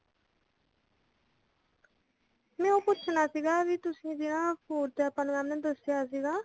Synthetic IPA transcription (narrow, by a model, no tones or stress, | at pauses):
mɛ̃ːõːpʊtːt͡ʃʰʃʰnaːsiːɡaːʋiːt̪ʊsĩːd͡ʒɪnãːpʰoːɾt̪eːəpənɾaːmnɛːd̪əsɪjaːsiːɡaː